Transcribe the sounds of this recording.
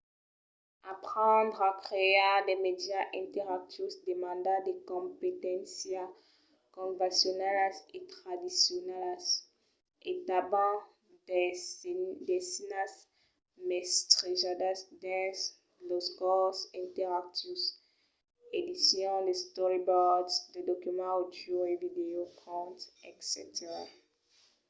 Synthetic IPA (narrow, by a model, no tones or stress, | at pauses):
apχɑ̃d̪ʁakχeademed̪jaʔɛ̃nt̪ɛʁak̚t̪ysd̪emɑ̃d̪ad̪ekɔ̃pet̪ɛ̃sja | kɔ̃vãsjɔnɛlset̪χad̪isjɔnɛls | et̪abɑ̃ | d | d̪ɛsinas | mɛst̪ʁizad̪asd̪ɛ̃s | lɔsɡɔsɛ̃t̪ɛʁak̚t̪is | ed̪isjɔ̃dest̪ɔʁibɔdsd̪ed̪ɔkymɑ̃od͡ʒoevid̪eokʰɔ̃t̪ɛksḛt̪eʁa